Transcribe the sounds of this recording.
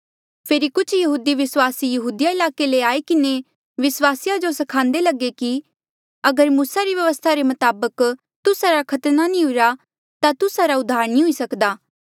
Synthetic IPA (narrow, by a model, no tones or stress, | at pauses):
pʰeːɾikʊt͡ʃʰjɐɦuːd̪iʋɪswaːsijɐɦuːd̪ɪjaɪlaːkeleaːekɪne | ʋɪswaːsijad͡ʒosɐkʰãːnd̪elɐɡeki | ɐɡəɾmuːsaɾiʋjɐʋəst̪ʰaɾemɐt̪aːbək | t̪ʊsaɾakʰɐt̪nanĩɦʊɾa | t̪at̪ʊsaɾaʊd̪ʱaːɾnĩɦʊisɐkd̪aː